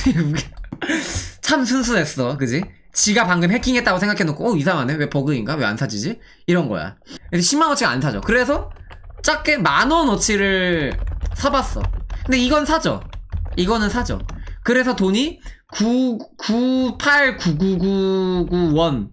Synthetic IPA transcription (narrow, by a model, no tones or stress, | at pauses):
t͡ɕʰamsʰuns̬ʰue̞s͈ʌkɯd͡ʑi | t͡ɕiɡapaŋɡɯmɦe̞kʰiŋet͈̚aɡosʰe̞ŋɡakʰe̞nok͈ʰoʌis̬ʰamanewe̞pʌɡɯinɡawe̞a̰nsʰad͡ʑid͡ʑi | iɾʌnɡʌ̰ja̰kiseɕʰimːanʌt͡ɕʰiɡaa̰nsʰad͡ʑo̰kɯɾe̞s̬ʰʌt͡ɕ͈ak͈e̞manʌnʌt͡ɕʰiɾɯɭ | sʰabas͈ʌ̰kʰɯndeiɡʌnsʰad͡ʑo̰iɡʌnɯnsʰad͡ʑo̰kɯɾe̞s̬ʰʌtoɲi | kukupʰaɭkuɡuɡuɡuwʌn